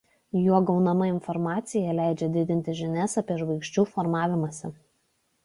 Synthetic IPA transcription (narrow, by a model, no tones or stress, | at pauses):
juɔɡɒʊnɐmɐɪnfɔɾmɑːt̪sʲɪjɛlʲæɪd͡ʒʲɛd̪ʲɪd̪ʲɪnʲt̪ʲɪʒʲɪnʲɛsɐpʲiɛʒʋɐɪkʃʲt͡ʃʲuːfɔɾmɑːʋʲɪmɐsʲɪ